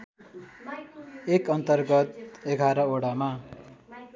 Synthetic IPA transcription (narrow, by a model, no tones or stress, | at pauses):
ekʌnt̪ʌrɡʌt̪eɡʱaɾʌoɽama